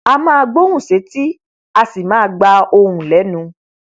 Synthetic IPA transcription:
a˧mãː˦˧ɡ͡bo˦ũ˦˨ʃe˨˦ti˦ | a˧si˨mãː˦˧ɡ͡ba˧o˧hũ˨lɛ˨˦nũ˨˧˦

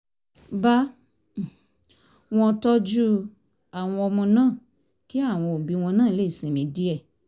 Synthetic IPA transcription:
ba˦˨ | w̃ɔ̃˧tɔ˦d͡ʒu˦ | a˨w̃ɔ̃˧ɔ˧mɔ̃˧nãː˦˨ | ki˦a˦˨w̃ɔ̃˧o˨bi˨˧˦w̃ɔ̃˧nãː˦˨i˦le˦i˦˨sĩ˨˦mĩ˨˦di˦ɛ˦˨

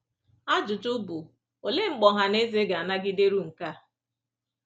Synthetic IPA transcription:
a˦d͡ʒʊ˨tʊ˦bu˨ | o˨le˦ŋ͡m̩˦˨k͡pɔ˨ɦa˨ne˦ze˦ɡa˨a˨na˦ɡɪ˦de˦ɾu˦ŋ̩˨ka˦

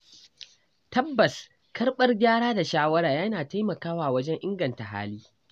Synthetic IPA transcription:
tɐ˦bːɐ˨s | kɐ˦rɓɐ˦rɡʲaː˦ɽaː˦da˨ʃaː˦wɐ˦ɽaː˨ja˦naː˨ta˦jmɐ˨kaː˦waː˨wɐ˦d͡ʒɛ˦ŋʔɪ˦ŋɡɐ˨nta˨ɦa̰ː˦liː˦

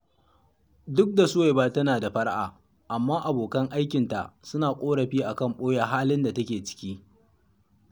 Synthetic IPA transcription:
dʊ˦k̚da˨sʊ˦wa˨jbaː˦tɐ˦naː˨da˨ɸɐ˦ɽʔa̰ː˨ | ʔa˨mːaː˦ʔa˨boː˨kɐ˦ŋʔa˦jkʲɪ˨nta̰˨ʔsʊ˦naː˨kʷʼoː˦ɽɐ˨ɸiː˦ʔa˨kɐ˦˨mɓoː˦ja˨ɦaː˦lɪ˦nda˨tɐ˦kʲeː˨t͡ʃɪ̥˦kʲiː˦

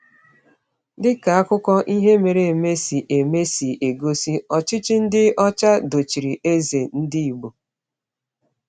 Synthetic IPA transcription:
dɪ˦ka˨a˦kʊ˦kɔ˦ʔi˦ɦe˦me˨ɾe˨e˨me˦si˨ʔe˨me˦si˨ʔe˨ɡo˦si˦ɔ˨t͡ʃɪ˦t͡ʃɪ˦n̩˦dɪ˦ɔ˦t͡ʃa˦do˨t͡ʃi˨ɾi˨ʔe˦ze˨n̩˦di˦i˨ɡ͡bo˨

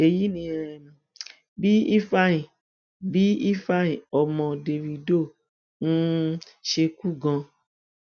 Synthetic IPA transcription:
e˨ji˦nĩ˧˨ | bi˦i˦fa˧˦ĩ˨ | bi˦i˦fa˧ĩ˨ɔ˨mɔ̃˨de˨vi˨do˦˨ | n̩˦ʃe˧ku˦˨ɡã˧

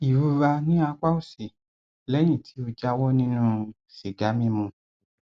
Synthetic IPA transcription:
i˨ɾu˧ɾa˧nĩ˦a˧k͡pa˦o˦˨si˨ | lɛ˦j̃ĩ˦˨tʰi˨˦o˧d͡ʒa˧˦wɔ˦nĩ˦nũ˦ | si˨ɡa˨˦mĩ˦mũ˧

